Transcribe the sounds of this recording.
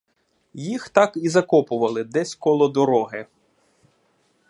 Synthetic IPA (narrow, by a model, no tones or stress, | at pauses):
jixt̪ɑkizɐkɔpʊʋɐlˠɪd̪ɛsʲkɔlˠɔd̪ɔɾɔɦɪ